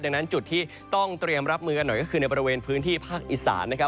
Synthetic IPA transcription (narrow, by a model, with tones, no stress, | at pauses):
da˨˧ŋna˦˥nt͡ɕu˨˩t̪ʰːiː˥˩ | t̪ɔ˥˩ŋt̪ɾi˧əmɾa˦˥p̚mɯː˧ka˧nːɔ˨˩jkɔː˥˩kɯː˧n˧jbɔː˧ɾi˧weː˧npʰɯː˦˥nt̪ʰiː˥˩pʰaː˥˩k̚ʔi˨˩sa̰ː˩˦nːa˦˥kʰa˦˥